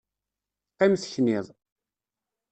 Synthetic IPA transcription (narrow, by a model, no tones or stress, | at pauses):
qːɪmθçnɪðˤ